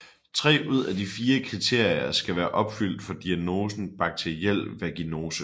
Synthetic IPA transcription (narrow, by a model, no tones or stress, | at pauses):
t͡sʰʁɛ̰ːʔuð̞̰ˠæd̥ifiːɐkʰʁit͡sʰe̝ɐ̰jɐsɡ̥æʋæːɐʔɒ̽b̥fyl̰d̥fɒ̽d̥iæno̝ːsn̩b̥ɑ̈ɡ̥̚t͡sʰeiel̰ʋæɐɡ̥ino̝ːsə